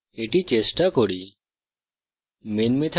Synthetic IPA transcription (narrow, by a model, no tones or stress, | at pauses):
eʈit͡ʃesʈakɔɽi | menmet̪ʰ